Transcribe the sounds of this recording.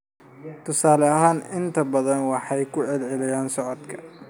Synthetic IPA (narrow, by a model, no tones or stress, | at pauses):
t̪ʰʊsaːlɛɐɦaːnɪnt̪ʰɐbɐðɐnwɑħɑjkʰʊʕɛlʕɛlɐjaːnsɔʕɔd̪kʰɐ̥